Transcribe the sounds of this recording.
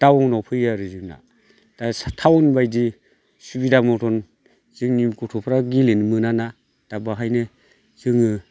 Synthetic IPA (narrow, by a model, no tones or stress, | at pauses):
d̥awɔŋnɔpʰɯjaɾɯzɯŋna̰ | d̥astʰawɔnbajdi | subidamɔtʰɔn | z̥ɯŋnimkutʰɔpʰɾaɡilinmɯnana | d̥abaɦajne | z̥ɯŋɯ